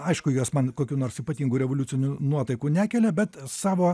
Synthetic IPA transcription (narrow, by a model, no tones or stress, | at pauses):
ɐɪʃkʊjuɔsmɐnkoːkʲuːnoːɾsiːpɐt̪ʲiːŋɡuːɾʲɛʋoːlʲʊt͡s̪ʲɪnʲuːnuɔt̪ɐɪkuːnʲæːkʲɛlʲɛbʲɛt̪sɑːʋoː